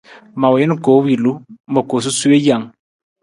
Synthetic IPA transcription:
ma˨we˨jɛ˦n˦˨ko˨˦wi˨lu˦mə˨ko˨s̬u˦su˦e˦ja˨ŋ

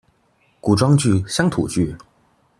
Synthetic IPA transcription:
ku˨˩ʈ͡ʂwɑ˥ŋt͡ɕy˥˩ɕjɑ˥ŋt̪ʰṵ˨˩t͡ɕy˥˩

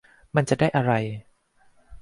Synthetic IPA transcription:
ma˧nt͡ɕa˨˩ʔdaː˥˩jʔa˧ɾa˧j

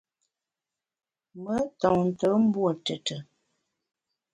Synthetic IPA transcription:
mə˦tɔ˨ŋn̩˨tə˨˦m̩˦bwə˨tə˨tə˨

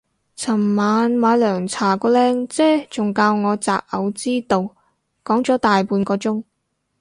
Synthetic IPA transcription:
t͡sʰɐ˨˩mmaː˨˧nmaː˨˧˥jlœː˨˩ŋt͡sʰaː˨˩kɔː˧lɛː˥ŋt͡sɛː˥t͡sʊ˨ŋkaː˧wŋɔː˨˧t͡sa̰ː˨p̚ɐ̰˨˧wt͡siː˥t̪o˨˧w | kɔː˨˥ŋt͡sɔː˨˥t̪aː˨jpuː˨˧nkɔː˧t͡sʊ˥ŋ

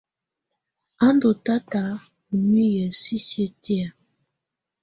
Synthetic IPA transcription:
a˦ndo˨ta˦ta˨˦ | u˨ni˦jə˨si˦se˦ti˦a˨

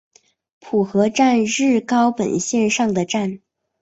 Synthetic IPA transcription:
pʰu˨˩xɤ˧˥ʈ͡ʂa˥˧nɻɻ̩˥˩kɑ˥ʊpə̰˨˩nɕjɛ˥˧nʂɑ˥˩ŋd̪ə˩ʈ͡ʂa˥˩n

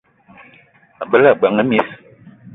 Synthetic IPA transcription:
a˨bə˦la˦˨ɡ͡ba˨ŋə˦mi˦s

